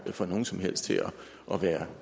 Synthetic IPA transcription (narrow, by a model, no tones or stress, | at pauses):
fɒ̽no̝ːn̩sɒ̽mhel̰sd̥t͡sʰe̝ɒ | ʔɒ̽ʋæːɐ